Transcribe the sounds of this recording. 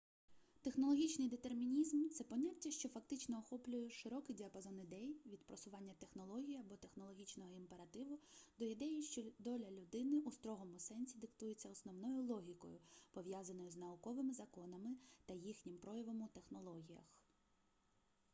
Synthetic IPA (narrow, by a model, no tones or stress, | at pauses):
t̪exnɔlˠɔɦʲit͡ʃnɪjd̪et̪ermʲinʲizmt̪sɛpɔnʲatʲːɐʃt͡ʃɔfɐkt̪ɪt͡ʃnɔɔxɔplʲʊjɛʃɪɾɔkɪdʲiɐpɐzɔnɪd̪ɛjʋʲid̪pɾɔsʊʋɑnʲːɐt̪e̞xnɔlˠɔɦʲijiɐbɔt̪exnɔlˠɔɦʲit͡ʃnɔɦɔimpe̞ɾɐt̪ɪʋʊd̪ɔjid̪ɛjɛʃt͡ʃɔd̪ɔlʲɐlʲʊd̪ɪnɪʔust̪ɾɔɦɔmʊsɛnʲsʲid̪ɪkt̪ujet͡sʲːɐɔsnɔwnɔjʊlˠɔɦʲikɔ̰jʊpɔʋjazɐnɔjʊznɐʊkɔʋɪmɪzɐkɔnɐmɪt̪ɐjixnʲimpɾɔjɐʋɔmʊt̪e̞xnɔlˠɔɦʲijɐ̰x